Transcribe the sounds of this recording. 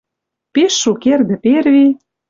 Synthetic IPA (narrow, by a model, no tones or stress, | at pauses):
peʃːukerd̪ɘ̆pervi